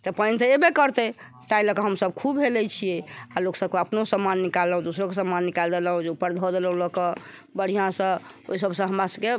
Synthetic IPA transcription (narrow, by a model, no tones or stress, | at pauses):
t̪ɔpənt̪əebekəɾt̪ɛ | t̪ailəkəɦəmsəbkʰubɦelɛt͡ʃʰijɛaloksəb̚keəpnosəmːanːikalːəɦũd̪osɾokesəmːanːikald̪eləɦũd͡ʒeupəɾd̪ʱɔd̪eləɦũləkəbəɽ̤ijãsə̃ | oisəbsə̃ɦəmɾasəbke